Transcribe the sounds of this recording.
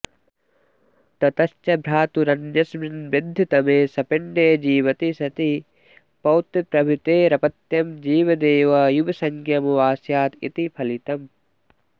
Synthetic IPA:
t̪ɐt̪ɐst͡ʃɐbɾaːt̪uɾɐnd͡ʒɐsminbed̪ʱit̪ɐmeːsɐpiɳɖeːd͡ʒiːʋɐt̪isɐt̪i | pɐwt̪pɾɐbʱit̪eːɾɐpɐt̪jɐmd͡ʒiːʋɐd̪eːʋɐjubɐsɐŋkʰjɐmuʋaːsjaːt̪ḭt̪ipʰɐlit̪ɐm

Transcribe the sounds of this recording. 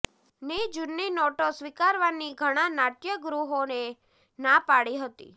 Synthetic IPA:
ned͡ʒunːinɔʈosʋikaɾʋaniɡʱəɽ̃ãnaʈjəɡɾuɦone | napaɭiɦət̪ḭ

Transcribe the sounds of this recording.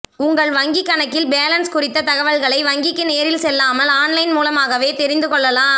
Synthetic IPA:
ʊŋɡɐɭʋɐŋɡɪkːɐnɐkːɪlbeːlɐnskʊrɪt̪ːɐt̪ɐɣɐʋɐɭɣɐɭɐɪʋɐŋɡɪkːɯneːɐɾɪlsɛlːaːmɐlaːnlɐɪnmuːlɐmaːɣɐʋeːt̪ɛɾɪnd̪ɯkɔɭːɐlaː

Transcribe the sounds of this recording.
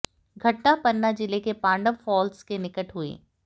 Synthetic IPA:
ɡʱɐʈnapɐɾːad͡ʒɪlekepãːɳɖəʋfɔːlskenɪkəʈɦuḛː

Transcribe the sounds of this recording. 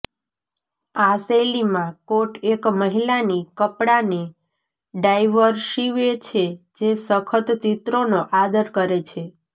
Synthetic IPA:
aselimãkoʈekməɦilanikəpɽane | ɖajʋəɾʃiʋet͡ʃʰed͡ʒesəkʰət̪t͡ʃit̪ɾonoʔad̪əɾkəɾet͡ʃʰe

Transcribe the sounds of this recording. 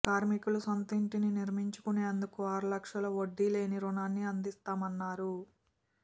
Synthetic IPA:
kaːɾmikulusɐnt̪iɳʈininiɾmiɲt͡ʃu̥kuneɐnd̪ukuaːɾulɐkʂɐlɐʋoɖːile̞ːniɾunaːnːiɐnd̪ist̪aːmɐnːaːɾu

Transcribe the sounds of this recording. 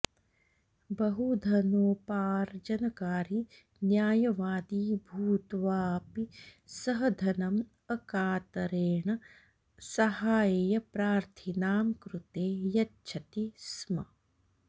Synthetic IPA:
bɐɦud̪ʱɐnoːpaːɾd͡ʒɐnɐkaːɾi | njaːjɐʋaːd̪iːbʱuːt̪ʋaːpisɐɦɐd̪ʱɐnɐm | ɐkaːt̪ɐɾeːɳɐ | sɐhaːjejɐpɾaːɾt̪ʰinaːmkɾut̪eːjɐtːt͡ʃʰɐt̪ismɐ

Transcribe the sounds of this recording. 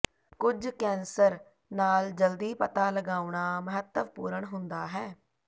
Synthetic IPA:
kʊd͡ʒkɛ̃ːnsəɾ | naːld͡ʒəld̪iːpət̪aːləɡaːuɳaːməɦət̪ːəʋpuːɾəɳɦʊnd̪aːɦɛː

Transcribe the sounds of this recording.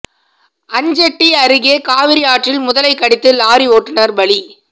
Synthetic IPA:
ɐɲd͡ʒɐʈːiɐɾɯɣeːkaːʋɪɾɪjaːʈrɪlmʊðɐlɐɪkːɐɽɪt̪ːɯlaːɾioːʈːɪnɐɾbɐɭi

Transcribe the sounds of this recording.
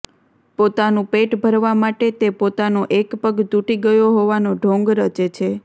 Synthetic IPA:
pot̪anũpeʈbʱəɾʋamaʈet̪epot̪anoʔekpəɡt̪uʈiɡəjoɦoʋanoɖʱõŋɡɾət͡ʃet͡ʃʰe

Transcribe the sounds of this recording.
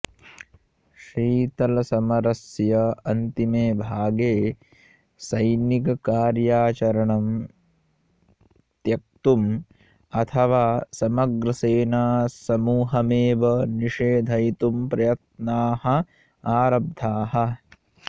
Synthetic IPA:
ʃɾiːt̪ɐlɐsɐmɐɾɐsjɐɐnt̪imeːbʱaːɡeː | sɐjnikɐkaːɾjaːt͡ʃɐɾɐɳɐm | t̪jɐk̚t̪um | ɐt̪ʰɐʋaːsɐmɐɡɾɐseːnaːsɐmuːɦɐmeːʋɐniʃeːd̪ʱɐjt̪umpɾɐjɐt̪̚naːhɐ̆ | aːɾɐb̚d̪ʱaːɦɐ

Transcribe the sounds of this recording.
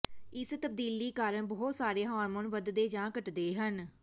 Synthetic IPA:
ɪst̪əb̚d̪iːliːkaːɾəɳbɔːt̪saːɾeːɦãːnmənʋəd̪d̪eːd͡ʒãːkəʈd̪eːɦən

